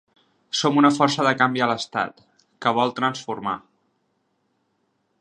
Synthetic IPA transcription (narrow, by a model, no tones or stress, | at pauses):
somunəfɔrsəðəkambiələst̪a̰t̪ | kəβɔlˠt̪ɾənsfuɾma̰